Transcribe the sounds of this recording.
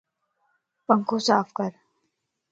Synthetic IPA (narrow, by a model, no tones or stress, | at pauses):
pə̃ŋkʰõsaːfkəɾ